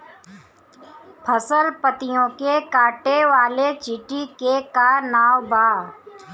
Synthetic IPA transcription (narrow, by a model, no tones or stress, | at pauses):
pʰəsəlpət̪ɪjõkekaːʈeʋaːlet͡ʃɪʈikekaːɾnaːwbʱaː